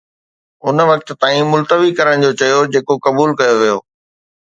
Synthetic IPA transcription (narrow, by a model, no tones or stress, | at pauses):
ʊnʋɐk̚t̪t̪ãːĩmʊlt̪əʋikɐɾəɽ̃d͡ʑot͡ɕɐjod͡ʑeːkokɐbuːlkɐjoʋijoː